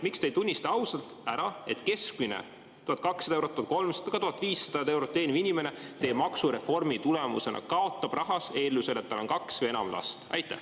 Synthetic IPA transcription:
mikst̪ejt̪unʲːist̪ɑɑwsɑlt̪ˑæɾɑe̞t̪ke̞skminḛ | t̪uhɑt̪kɑksːɑd̪ɑewɾot̪ːuɑt̪ko̞lmsɑd̪̥ɑɡɑt̪uhɑt̪ːˑviːsːɑd̪̥ɑed̪ɑe̞wɾot̪ːeːnivinʲime̞net̪e̞ːbmɑksuɾe̞fo̞rmit̪ulemṵse̞̰nʔɑ̰kɑo̞t̪ːˑɑb̥rʔɑɦɑse̞ːlːuse̞le̞t̪ːɑlo̞nkɑksvje̞nɑ̰mlʔɑ̰st̪ɑ̰jt̪ːˑæ̰h

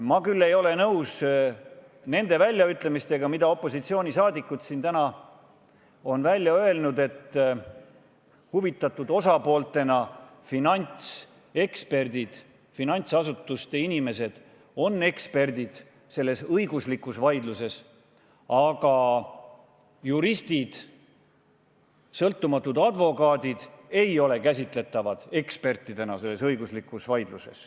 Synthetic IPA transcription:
mɑkylːe̞jo̞le̞nɤws | ne̞nd̪̥e̞vælʲjɑyt̪ˑle̞mist̪e̞ɡ̥ɑmid̪̥ɑo̞pːˑo̞sit̪sio̞ːnʲisɑːd̪ikːˑud̪sint̪ænɑ | o̞nvælʲːjɑø̞e̞lnud̪e̞t̪ː | huvit̪ːˑɑt̪ːˑud̪̥o̞sɑpo̞ːlt̪ːˑe̞nɑfinɑnʲt̪s | e̞kspe̞rd̪̥id̪̥ | finɑnʲt̪sɑsut̪ːˑust̪einʲime̞se̞d̪̥ | o̞nːe̞kspe̞rd̪̥id̪̥ | se̞lːe̞sɤjɡ̥uslikːˑusvɑjd̪luse̞s | ɑɡɑ | juɾist̪id̪̥ | sɤlt̪ːumɑt̪ːˑud̪̥ɑd̪̥vo̞kɑːd̪id̪̥e̞jo̞le̞kæs̬ʲit̪ˑle̞t̪ːˑɑvɑd̪̥e̞kspe̞rt̪ːˑid̪̥e̞nɑse̞lːe̞sɤjɡuslikːˑusvɑjd̪̥luse̞̰s

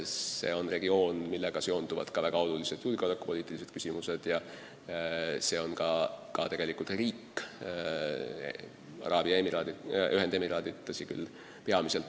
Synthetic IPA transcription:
se̞̰ːo̞nre̞ɡ̥io̞ːnmilːeɡ̥ɑseo̞nd̪uvɑ̰d̪̥kɑvæɡ̥ɑo̞lulise̞d̪̥juːlɡeolɑkːˑu̥po̞liːt̪ːˑilise̞d̪̥ky̥simuse̞d̪̥jɑ | se̞o̞nkɑkɑ̰t̪e̞ɡ̥e̞likult̪riːkː | ɑ̰ɾʔɑːb̥iɑemiɾɑːyɦend̪emiɾɑːd̪it̪ːɑsiky̰lː | pe̞ɑmise̞lt̪

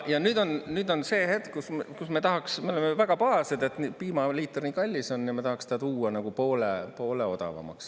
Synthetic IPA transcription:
jɑnyːd̪o̞nnyːd̪o̞nse̞ːhe̞t̪kkuskusme̞t̪ɑɦɑksme̞olemevæɡ̥ɑpɑɑsed̪e̞t̪nipiːmɑliːt̪ːˑerniːkɑlʲːiso̞nːimet̪ɑhɑkst̪ɑt̪uːɑnɑɡ̥upo̞ːlepo̞ːleo̞d̪̥ɑ̰vɑ̰mɑ̰ks

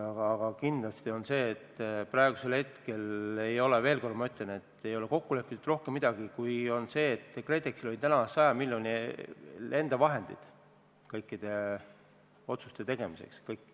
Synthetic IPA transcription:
ɑɡɑɡ̥ɑkind̪lɑst̪io̞nse̞ːt̪ːprɑeɡ̥use̞lhet̪ke̞le̞jo̞le̞veːlko̞rd̪mɑyt̪lene̞t̪ːe̞jo̞leko̞kːule̞pːˑit̪ːud̪ro̞hkemːid̪̥ɑɡ̥ikujo̞nse̞ːt̪ːkre̞t̪ːˑeksilo̞lʲit̪ænɑsɑjɑmilʲjonʲi | e̞nd̪̥ɑvɑɦe̞nd̪̥ḭd̪̥ | kɤjkˑːid̪̥e̞ | o̞t̪su̥st̪e̞t̪e̞ɡ̥e̞mise̞̰kskɤjkːˑ

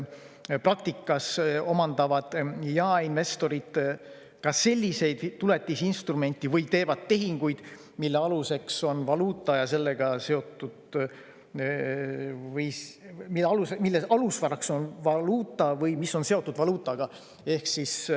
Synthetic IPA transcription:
prɑk̚t̪ikːˑɑso̞mɑnd̪̥ɑvɑd̪̥jɑːinve̞st̪o̞ɾid̪̥ | kɑse̞lʲːise̞jd̪̥t̪ːule̞t̪ˑːisinst̪rume̞nʲt̪ˑːivɯjt̪e̞ːvɑd̪̥̚t̪e̞ɦiŋɡ̥ujd̪̥ | milːeɑluse̞kso̞nvɑluːt̪ˑːɑjɑse̞lːe̞ɡ̥ɑse̞o̞t̪ːˑud̪̥ | vɯjsmilːeɑlusemilːeʔɑlusvɑrɑkso̞nvɑluːt̪ːˑɑvɤjmisːo̞nse̞o̞t̪ːˑud̪vɑluːt̪ːˑɑɡ̥ɑ | e̞hksis

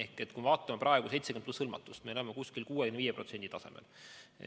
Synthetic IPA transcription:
ehket̪kumevɑːt̪ˑːɑmɑprʔɑe̞ɡ̥use̞jt̪se̥enplushɤlmɑ̰t̪ːˑust̪meleemekuskilkuːekymnːeviːjepro̞t̪se̞nd̪it̪ɑse̞mḛl

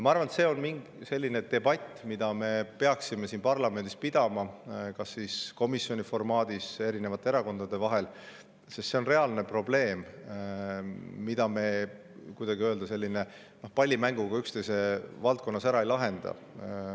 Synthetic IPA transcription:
mɑɑrvɑnet̪se̞ːo̞nmiŋɡ | se̞lʲːine̞d̪̥e̞bɑt̪ʲːmid̪̥ɑme̞pe̞ɑksime̞siːnpɑrlɑme̞nd̪̥ispid̪̥ɑmɑkɑsːiːsko̞misjo̞nʲifo̞rmɑːd̪̥ise̞ɾine̞vɑt̪ːˑeeɾɑko̞nd̪̥ɑd̪̥e̞vɑɦe̞l | sest̪se̞o̞nre̞ɑlne̞pro̞ble̞ːm | id̪̥ɑme̞ | kujd̪ɑɡiøld̪̥ɑse̞lʲːine̞ | no̞hpɑlʲːimæŋɡ̥uɡ̥ɑykst̪esevɑlt̪̚konːɑsæɾɑe̞jlɑɦe̞nd̪̥ɑ̰

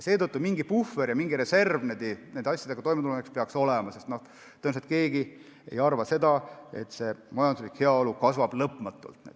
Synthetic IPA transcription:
jse̞ːt̪ɤt̪ːumiŋɡipufːeɾjɑmiŋɡiɾe̞se̞rvned̪inend̪ɑsʲːjɑd̪eɡɑt̪o̞jmeulonekspeɑkso̞lɛmɑse̞st̪no̞h | t̪ɤnset̪ke̞ːɡi | ḛjɑrvɑse̞d̪ɑe̞̰t̪ːse̞mɑjɑnd̪usliːkhe̞ɑo̞lukɑsvɑb̥lɤpˑmɑt̪ːˑṵlt̪ne

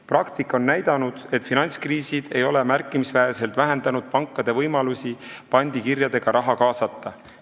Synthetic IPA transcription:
prɑkt̪ikːˑo̞nːæjd̪̥ɑnud̪̥e̞t̪finɑnʲt̪skriːsid̪̥e̞jo̞le̞mærkːˑimisvæese̞lt̪væɦe̞nd̪̥ɑnud̪̥̚pɑŋkːˑɑd̪̥e̞vɤjmɑlusi | pɑnʲd̪̥ikirjɑd̪e̞ɡ̥ɑɾʔɑɦɑkɑːsɑt̪ˑːɑ

